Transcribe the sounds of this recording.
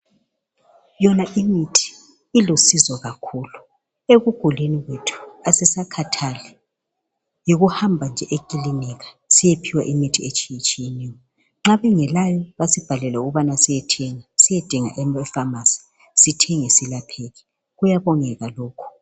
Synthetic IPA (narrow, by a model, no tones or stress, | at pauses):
jɔnaʔimitʰi̥ | ilusizɔɣakʰuːlu | eɣuɡ̥ʱuliniɣwetʰu̥asɛsakʰatʰalɛ | joɣuhambʱand͡ʒʱɛʔekʼiliniɣḁ | sijepʰiwa̰ʔimitʰiet͡ʃʰʼijit͡ʃʼijiniwɔ | ŋ͡ǁaβɛŋɛlajɔβasib̥ʱalɛlɛuɣuβanasijɛtʰɛŋasijɛd̥ʱiŋa̰ʔɛɛfamasi̥ | sitʰɛŋesilapʰɛɣɛ | ɣujaβɔŋɛɣaloːkʰu̥